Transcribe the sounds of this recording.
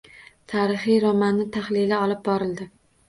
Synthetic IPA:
t̪ʰaɾɪχijɾɒmanːɪt̪ʰaχlɪlaɒlɪp̚bɒɾɪld̪ɪ

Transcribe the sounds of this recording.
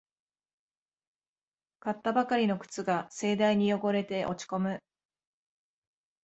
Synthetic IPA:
kat̪ːabakaɾʲino̞kɯ̟̥t͡sɨɡase̞ːd̪aiɲ̟ijo̞ɡo̞ɾe̞t̪e̞ʔo̞̰t͡ɕi̥ko̞mɯ̟

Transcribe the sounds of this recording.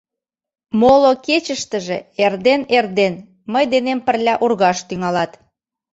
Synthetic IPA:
moloket͡ɕəʃt̪əʒḛerd̪enerd̪en | məjd̪enempə̆rlʲæʔurɣɑʃt̪yŋɑlɑt̪

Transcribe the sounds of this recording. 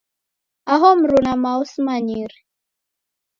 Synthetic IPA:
aɦɔm̩ɾunamausimaɲiɾi

